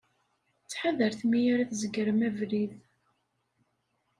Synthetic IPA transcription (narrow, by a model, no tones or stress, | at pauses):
t͡sːħaðəɾθmijaɾaθzəɡəɾəmævɾið